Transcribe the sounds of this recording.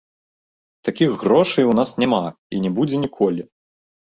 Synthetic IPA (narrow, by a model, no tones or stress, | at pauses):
t̪akʲixːrɔʂɨjwnasnʲama | ḭnʲɛbud͡zʲɛnʲikʰɔlʲi